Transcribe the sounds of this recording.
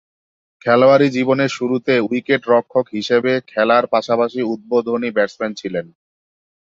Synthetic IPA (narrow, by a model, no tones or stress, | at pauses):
kʰɛloaɾid͡ʑiboneɾʃuɾut̪eujkeʈɾɔkʰːokɦiʃebekʰɛlaɾpaʃapaʃiud̪̚bod̪ʱonibɛʈsment͡ɕʰilen